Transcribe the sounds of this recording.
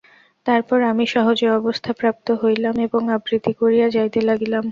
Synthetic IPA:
t̪aɾpɔɾamiʃɔɦod͡ʑeɔbost̪ʰapɾap̚t̪oɦojlameboŋabɾid̪ʱikoɾijad͡ʑajt̪elaɡilam

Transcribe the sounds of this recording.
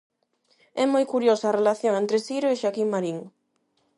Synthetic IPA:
ɛmojkuɾjosaːrelaθjoŋẽnt̪ɾɪsiɾoeʃakiŋmaɾiŋ

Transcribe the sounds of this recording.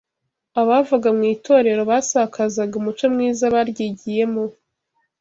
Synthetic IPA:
aβaːvuɡamŋiːtʰo̞ːɾe̞ɾo̞βasakʰazaɡumut͡ʃomŋiːzaβaɾɟiɟije̞mo

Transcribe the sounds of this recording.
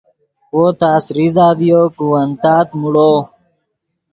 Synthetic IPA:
woːt̪aːsɾizaːvijoːkuwənt̪aːt̪muɽoː

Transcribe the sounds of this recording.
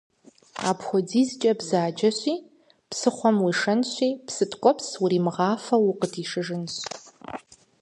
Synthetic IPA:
a̰ːpxʷɔd͡ziːzt͡ʃʼɐbzaːd͡ʒɐɕʷiː | pʰsɨχʷɔmwiːʂɐnɕʷiːpsɨtʼkʷʼɔpʰswʊɾiːmɨʁɑːfɐwʊqətʰiːʂɨʐɨnɕ

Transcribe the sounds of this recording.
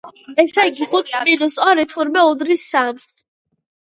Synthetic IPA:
ɛsaɡiχut̪sʼinusɔɾɛt̪ʰuɾmɛud̪ɾisːams

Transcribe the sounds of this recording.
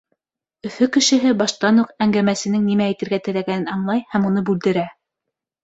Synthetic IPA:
ɵ̆fɵkɘ̆ʃɘ̆ɦɘbɑʃt̪ɑnuqæŋɡæmæsɘ̆nɘŋnimæːjt̪ɘ̆ɾɡæt̪ɘ̆læɡænɘnɑɴlˠɑjhæmunɤbʉld̪ɘ̆ɾæ

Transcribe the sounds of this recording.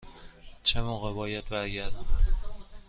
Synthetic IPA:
t͡ʃʰemoɣebɒːjæd̪̚bæɾɟæɾd̪æm

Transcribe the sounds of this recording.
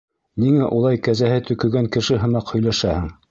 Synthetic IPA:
niŋæʔulˠɑjkæzæhɘt̪ɵ̆kɵ̆ɡæŋkɘ̆ʃɘɦɤ̆mɑqhɵ̆jlæʃæhɘŋ

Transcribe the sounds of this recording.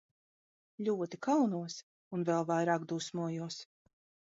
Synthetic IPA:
ʎʲuɔt̪ikawnuɔs | unvɛlˠvajɾaːkd̪usmuɔjuɔs

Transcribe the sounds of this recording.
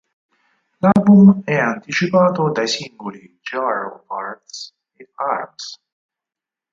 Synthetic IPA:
lalbumɛɐnt̪it͡ʃipaːt̪od̪ɐjsiŋɡoli | d͡ʒaɾo̰paɾt̪s | eaɾps

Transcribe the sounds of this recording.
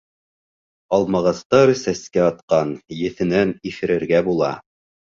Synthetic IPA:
ɑlˠmɑʁɑst̪ɑɾsæskæɑt̪qɑnjɘ̆θɘ̆nænifɘ̆ɾɘ̆ɾɡæbulˠɑ̰

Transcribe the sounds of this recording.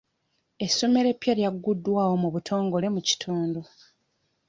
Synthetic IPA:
e̞sːo̞me̞ɾe̞pːjeljaɡːudːwaːwo̞muβutʰo̞ːŋɡo̞le̞muci̥tʰuːndu

